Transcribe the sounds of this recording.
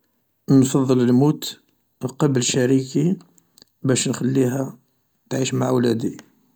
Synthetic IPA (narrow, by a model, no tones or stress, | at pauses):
nfɑðˤːələlmut̪ | lqɑbələʃæɾiki | bæʃnxælːiɦæ | t̪ʕiʃmaʕwlæd̪i